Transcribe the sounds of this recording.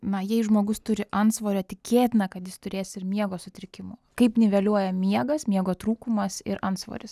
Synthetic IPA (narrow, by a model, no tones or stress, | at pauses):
nɐjɛɪʒmoːɡʊst̪ʊɾʲɪʔɐnt̪sʋoːɾʲɛtʲɪkʲeːt̪ʲɪnɐkɐt̪jɪst̪ʊɾʲeːsɪmʲiɛɡoːsʊt̪ʲɾʲɪkʲɪmʊːkɐɪpnʲɪʋʲeːlʲuɔjɛmʲiɛɡɐsmʲiɛɡoːt̪ɾuːkumɐsɪɾɐnsʋo̰ːɾʲɪs